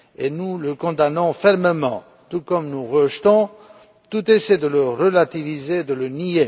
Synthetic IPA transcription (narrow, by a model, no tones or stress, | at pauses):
enuləkɔ̃d̪anɔ̃fɛʁməmɑ̰̃ | t̪ukɔmnuʁəʒt̪ɔ̃ | t̪ut̪esɛd̪ələʁəlat̪ivizeːd̪ələnie